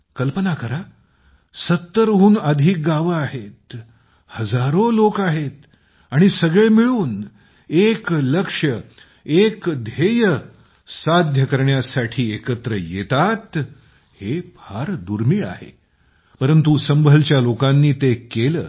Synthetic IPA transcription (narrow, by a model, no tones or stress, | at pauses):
kəlpənakəɾa | sət̪ːəɾɦuːnəd̪ʱiːk̚ɡaʋaɦet̪ | həd͡zaɾolokaɦet̪ | aɽ̃isəɡɭemiɭuːn | ekləkʂə | ekd̪ʱejə | sad̪ʱjəkəɾɳjasaʈʰiːekət̪ɾəjet̪at̪ | hebʰʱaɾd̪uɾmiːɭa̰hḛ | pəɾənt̪usəmbʱəlt͡ɕjalokãnːiːt̪ekelə̰ː